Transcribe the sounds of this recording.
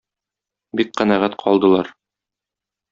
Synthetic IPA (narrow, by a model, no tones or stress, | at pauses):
bik̚qænæʁæt̪qʰɒ̰lˠd̪ɤ̆lˠɑɾ